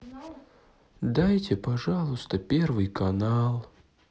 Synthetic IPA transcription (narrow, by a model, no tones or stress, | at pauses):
d̪ajtʲɪpɐʐalˠʊst̪əpʲervɨjkɐnalˠ